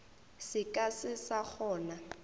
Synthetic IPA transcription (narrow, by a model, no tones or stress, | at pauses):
sɪkʼasɪsak͡xʰɔːna